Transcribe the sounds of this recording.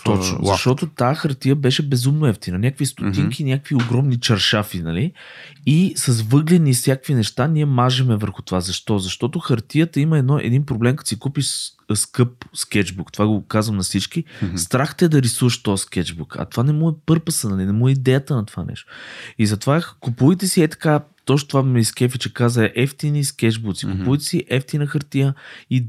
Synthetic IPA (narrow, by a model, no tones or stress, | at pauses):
t̪ɔt͡ʃno̰zɐʃt̪ɔt̪ot̪axɐɾt̪ijəbɛʃɛbɛzumnoɛft̪inɐnʲjakvist̪ʊt̪iŋkinʲjakəkvioɡɾɔmnit͡ʃɐɾʃafinɐliisɐsvɤɡlɛnisʲjakkvinɛʃt̪aniɛmaʒɛmɛvəɾxʊ̥t̪ovazɐʃt̪ɔzɐʃt̪ɔt̪oxɐɾt̪ijət̪əiməɛd̪nɔʔɛ̰d̪inpɾoblɛmkɐt̪o̥sikupiʃ | skɤp̚skɛd͡ʒbukt̪ovaɡokazvəmnɐsit͡ʃk̟ist̪ɾaxt̪əɛd̪ɐɾisuvəʃt̪ɔjskɛd͡ʒbukɐ̰t̪ovanɛmuɛpɤɾpəsənənɛnɛmuɛid̪ɛjət̪ənɐt̪o̥va̰nʔɛ̰ʃt̪oizɐt̪ovakupujt̪ɛsiɛt̪ɐ̥kat̪ɔʃt̪t̪ovamɛskʲɛfit͡ʃɛkazəʔɛft̪iniskɛt͡ʃbut̪si̥kʊpujt̪ɛ̥siʔɛft̪inəxɐɾt̪ijəi